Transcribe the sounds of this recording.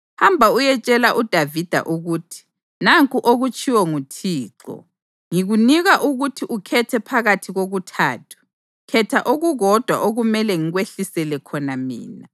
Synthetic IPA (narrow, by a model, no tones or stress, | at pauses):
hambʱaujɛt͡ʃʼɛlaʔud̥ʱavid̥ʱa̰ʔuɣuːtʰi̥ | naŋkʼuʔoɣut͡ʃʼʰiwɔŋutʰiːǁɔ̰ | ŋiɣuniɣaʔuɣutʰiʔukʰɛtʰɛpʰaɣatʰiɣoɣutʰa̰ːtʰu̥ | kʰɛtʰaʔoɣuɣɔd̥ʱwa̰ʔoɣumɛlɛŋiɣweɬisɛlɛkʰɔnamḭːna